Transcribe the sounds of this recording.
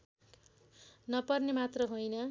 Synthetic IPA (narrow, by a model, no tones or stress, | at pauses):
nʌpʌrnemat̪rʌɦojnʌ